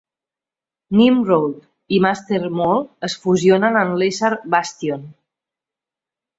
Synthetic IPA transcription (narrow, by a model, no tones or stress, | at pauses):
nimrowlˠt̪ | imast̪eɾmolˠəsfuzionənənlesaɾbast̪ion